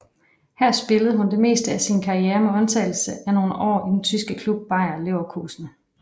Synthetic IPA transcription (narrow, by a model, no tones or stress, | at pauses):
hæɐsb̥e̝ləð̞̩ˠɦund̥e̝me̝̰ːsd̥əæsinkʰɑ̈ieːɐmeɒ̽nt͡sʰɛ̰ɪl̩səʔæno̝ːnəʔɒ̰ːid̥en̩t͡sʰysɡ̥əkʰlub̥̚ːɑ̈ɪ̰ɐleʊɐkʰuːsnə